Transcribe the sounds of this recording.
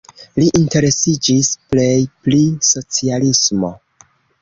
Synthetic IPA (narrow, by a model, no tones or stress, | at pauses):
liʔinte̞ɾe̞sid͡ʒisple̞jpliso̞t͡sialismo̞̰